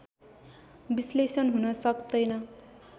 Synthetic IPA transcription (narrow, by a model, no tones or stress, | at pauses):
bislesʌnɦunʌsʌkd̪ʌjnʌ